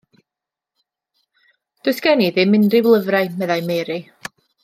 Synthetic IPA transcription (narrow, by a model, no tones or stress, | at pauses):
d̥ʊsɡ̥ɛniðɪmɪndrɪwlˠəvraɨmɛðajmeɾɨ